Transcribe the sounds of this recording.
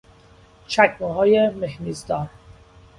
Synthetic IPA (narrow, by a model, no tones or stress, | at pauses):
t͡ʃʰækmuhɒːjemehniːzd̪ɒːɾ